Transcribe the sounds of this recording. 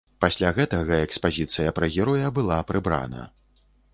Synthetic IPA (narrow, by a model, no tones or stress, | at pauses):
pasʲlʲaɣɛt̪ɐɣɐɛkspazʲit̪sɨjɐpɾɐɣʲɛɾɔjɐbɨlˠapɾɨbɾa̰nɐ̰